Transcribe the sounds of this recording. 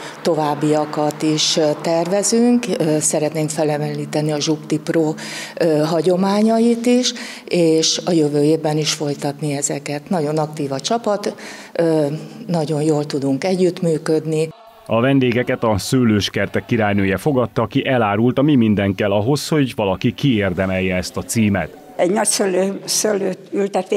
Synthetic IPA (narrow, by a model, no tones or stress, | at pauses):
t̪o̞vaːbːiɒkɒt̪iʃt̪ːɛrvɛzyŋkːsɛɾɛt̪neːŋkfɛlɛmɛlliːt̪ɛnːiɒʒupt̪iproːøɦɒɟo̞maːɲɒjit̪iʃ | eːʃɒjøvøːjeːvbːɛniʃfo̞jt̪ɒt̪niɛzɛ̰kɛt̪nɒɟo̞nɒkt̪iːvɒt͡ʃɒpɒt̪ː | nɒɟo̞njoːlt̪ud̪uŋkɛɟːyt̪myːkød̪ni | ɒvɛnd̪eːɡɛkɛt̪ɒsøːløːʃkɛrt̪ɛkːiɾaːjnøːjɛfo̞ɡɒt̪ːɒːkiʔɛlaːɾult̪ɒmimind̪ɛŋkɛlɒɦo̞sho̞ɟvɒlɒkikieːrd̪ɛmɛjːɛɛst̪ɒt̪siːmɛ̰t̪ | ɛɟnɒcsøːløːsøːløːt̪ylt̪ɛt̪e